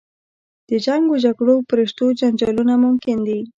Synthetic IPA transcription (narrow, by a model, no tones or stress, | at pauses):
d̪̥əd͡ʒaŋɡod͡ʒaɡɽopɾeʂt̪od͡ʒand͡ʒɑlunamʊmkɪnd̪i